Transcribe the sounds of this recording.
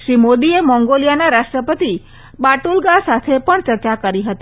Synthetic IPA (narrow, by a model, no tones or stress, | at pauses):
ʃɾimod̪iemɔ̃ŋɡolijanaɾaʃʈɾəpət̪i | baʈulɡasat̪ʰepəɳt͡ʃəɾt͡ʃakəɾiɦət̪i